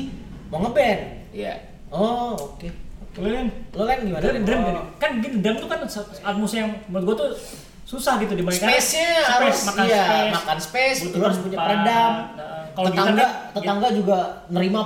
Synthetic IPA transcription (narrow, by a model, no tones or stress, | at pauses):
moŋəbɛnija̰ | ɔokeokemlolɛnɡimanɛdɛmɡit̪kanɡit̪udɛmt̪ukanssat̪̚musjaŋmənt̪̚ɡuat̪u | susahɡit̪udibasikaesɲahaɾʊsmakajamakanspɛsɡt̪uɡaɾspuɲaaədaŋkaloəɡit̪aŋɡat̪ət̪aŋɡad͡ʒuɡanəɾima